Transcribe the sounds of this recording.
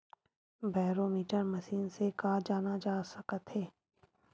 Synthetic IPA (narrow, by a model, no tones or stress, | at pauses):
baːɾomiːʈəɾmɐʃiːnsekaːd͡ʒaːnad͡ʒaːsɐkət̪ɦeː